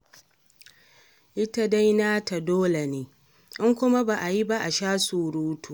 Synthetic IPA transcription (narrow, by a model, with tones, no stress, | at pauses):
ʔɪ˦ta˦da˦jnaː˦ta˨doː˦le˨neː˦ | ʔɪ˦ŋkʷʊ˦ma˦ba˨ʔa˨ji˦ba˦ʔa˨ʃaː˦suː˨ɽuː˦tʰuː˨